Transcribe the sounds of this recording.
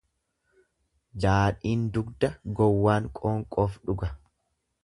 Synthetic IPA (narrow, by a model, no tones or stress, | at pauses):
d͡ʒaːᶑiːnd̪ʊɡd̪ɐɡɔwːaːŋkʼoːŋkʼɔːfᶑʊɡɐ